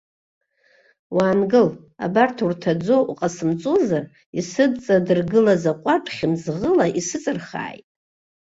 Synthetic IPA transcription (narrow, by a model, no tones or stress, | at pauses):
waːnɡɨl | a̰bartʰurtʰad͡zo̞ʔuqʼasɨmt͡sʼozar | isɨdt͡sʼadɨrɡɨlazaqʷʼaʈ͡ʂʼχʲɪmzʁəlaʔisɨt͡sʼɨrχa̰ːjtʼ